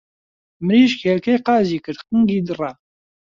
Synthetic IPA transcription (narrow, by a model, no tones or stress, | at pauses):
mɨɾiːʃkʰeːɾkejqɑːziːkɨɾqɨŋɡiːd̪ɨra